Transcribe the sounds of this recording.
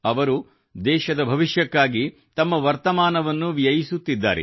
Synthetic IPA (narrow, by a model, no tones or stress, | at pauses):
ɐʋɐɾu | d̪ɛːʃɐd̪ɐbʱɐʋiʃjɐkːaːɡi | t̪ɐmːɐʋɐɾt̪ɐmaːnɐʋɐnːuʋjɐjisut̪ːid̪ːa̰ːɾḛ